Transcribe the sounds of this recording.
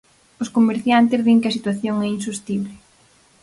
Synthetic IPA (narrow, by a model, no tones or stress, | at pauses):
ʊskomeɾθjant̪ɪzðiŋkɪɐsit̪waθjoŋɛinsust̪iβlɪ